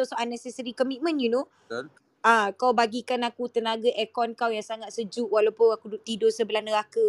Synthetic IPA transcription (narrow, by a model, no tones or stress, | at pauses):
osoanːɛsɛsəɾikɔmit̪̚mə̃njuno | akawbaɡikanakut̪ənaɡaʔɛkɔnkawjaŋsaŋat̪̚səd͡ʒuʔwalawpʊnakuduʔ̚t̪idosəbəlahnəɾakə